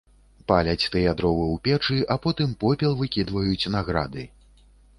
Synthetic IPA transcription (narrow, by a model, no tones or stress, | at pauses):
palʲɐt͡sʲt̪ɨjad̪ɾɔvɨwpʲɛt͡ʂɨʔapɔt̪ɨmpɔpʲɛlˠvɨkʲid̪vɐjut͡sʲnaɣɾa̰d̪ɨ